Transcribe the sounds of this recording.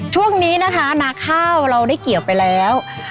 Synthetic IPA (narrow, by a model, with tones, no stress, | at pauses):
t͡ɕʰu˥˩əŋniː˦˥na˦˥kʰa˦˥na˦˥kʰːaː˥˩wɾa˧wdaː˥˩jki˨˩əw̚pa˧jlɛː˦˥w